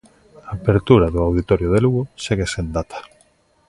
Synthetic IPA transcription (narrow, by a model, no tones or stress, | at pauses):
aːpeɾt̪uɾaðoawðit̪ɔɾjoð̞eluɣoseɣesend̪at̪ʰḁ